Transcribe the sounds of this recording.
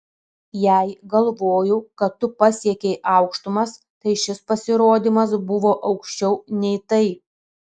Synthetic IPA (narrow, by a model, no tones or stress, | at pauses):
jæˑɪɡɐlˠʋoːjʊkɐt̪ːʊpɑsʲiɛkʲɛɪʔɑˑʊkʃt̪ʊmɐs | t̪ɐɪʃʲɪspɐsʲɪɾoːd̪ʲimɐsbʊʋoːʔɐʊkʃʲt͡ʃʲɛʊnʲɛɪt̪ɐɪ